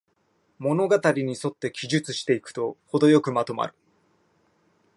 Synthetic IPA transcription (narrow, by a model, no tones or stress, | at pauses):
mo̞no̞ɡat̪aɾʲiɲ̟iso̞t̪ːe̞kʲiʑɨt͡sɨɕi̥t̪e̞ikɯ̟̥t̪o̞ho̞d̪o̞jo̞kɯ̟mat̪o̞ma̰ɾɯ̟̥